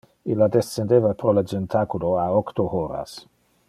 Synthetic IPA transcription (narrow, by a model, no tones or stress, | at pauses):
ilːad̪esend̪eːvapɾoled͡ʒent̪ʰakuloaokt̪ohoɾa̰s